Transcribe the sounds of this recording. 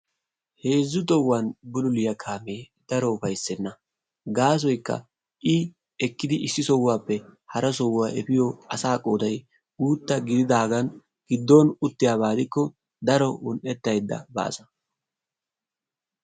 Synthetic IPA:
he̞ːzːʊt̪ʼɔwːanbʊlʊlɪjɐkʰaːmeː | d̪̥ɐɾɔʊfɐjsːɛnːɐ | ɡaːs̬ɔjkːɐ̰ | ʔɪ | ɛkːɪd̪ɪʔɪsːɪsɔwːaːpːɛhɐɾɐsɔwaːʔɛpɪjɔɐsaːkʼoːd̪ɐj | ɡuːt̪ːɐɡɪd̪ɪd̪aːɡɐn | ɡ̥ɪd̪ːoːnʊt̪ːɪjaːβaːd̪ɪkːɔ | d̪ɐɾɔʊnʔɛt̪ːɐjd̪ːɐ̰ba̰ːsɐ̥

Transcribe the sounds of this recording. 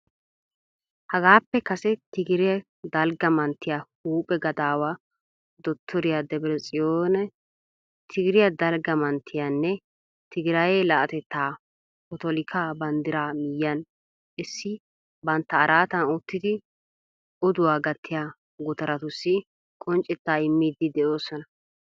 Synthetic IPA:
hɐɡaːpːɛkɐsɛt̪ɪɡɪɾɪjɐ | d̪ɐlɡɐmɐnt̪ːɪjahuːpʼɛɡɐd̪aːwaː | d̪ɔt̪ʰːɔɾɪjad̪ɛbɾɛt͡sʼɪjoːnɛ | t̪ʰɪɡɪɾɪjɐd̪ɐlɡɐmɐnt̪ʰːɪjanːɛ | t̪ɪɡɪɾɐjeːlɐʔɐt̪ɛt̪ːaː | ɔt̪ɔlɪkʰaːbɐnd̪ɪɾaːmɪjːɐn | ʔɪsːɪ | bɐnt̪ːɐːɾaːt̪ɐnʊt̪ːɪd̪ɪ | ʔɔd̪ʊwaːɡɐt̪ʰːɪjaː | ɡʊt̪ɐɾɐt̪ʊsːɪ | kʼɔnt͡ʃʼːɛt̪ːaːɪmːiːd̪ːɪd̪ɛo̞ːsɔnɐ

